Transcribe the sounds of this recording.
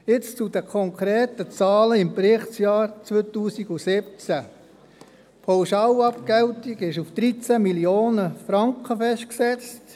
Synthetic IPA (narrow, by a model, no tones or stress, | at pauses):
jɪt͡st͡sud̥əkʰɔŋkʰɾeːtət͡sɑːləɪmpɾɪχt͡sjɑːɾt͡sʋøːt̪uːsiɡusɪp̚t͡sæ | pʰawʃɑːlɑpkɛwtiɡɪʃufd̥ɾit͡sæmiljoːnəfɾɑŋkχəfɛʃtksɛt͡st